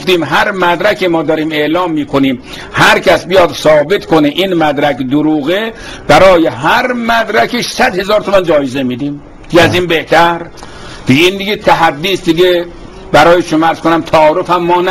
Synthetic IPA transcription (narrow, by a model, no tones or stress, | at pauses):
ft̪iːmɦæɾmæd̪ɾækʰimɒːd̪ɒːɾiːme̞ʔlɒːmːiːkʰoniːm | hæɾkʰæsbijɒd̪sɒːbet̪kʰoneʔinmæd̪ɾækd̪ʊɾuːɣeb̥æɾɒːjeɦæɾmæd̪ɾækʰiʃsæd̪he̞zɒːɾt̪ʰomænd͡ʒɒːjezemiːd̪iːm | d̪̥iɡʲeæziːnbeht̪ʰæɾ | d̪̥iɡeiːnd̪iɡʲet̪ʰæɦæd̪ːiːsd̪iɡʲe | bæɾɒːjeʃomɑæɾz̥konæmt̪ʰæɒːɾofhæmːɒːnæ